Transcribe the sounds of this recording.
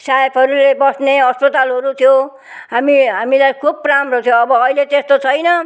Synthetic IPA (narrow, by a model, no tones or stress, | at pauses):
saepʰɦʌɾulebʌsneʌspʌt̪alɦʌɾut̪ʰijo | ɦamiɦamilajkʰubramrot̪ʰjõʌbʌːilet̪est̪ot͡sʰʌjnʌ